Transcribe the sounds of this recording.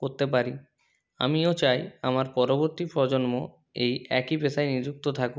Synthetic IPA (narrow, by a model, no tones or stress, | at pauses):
koɾt̪epaɾi | a̰miot͡ɕajamaɾpɔɾoboɾt̪ipɾɔd͡ʑonmo | ejɛkipet̪ʰajnid͡ʑuk̚t̪ot̪ʰaku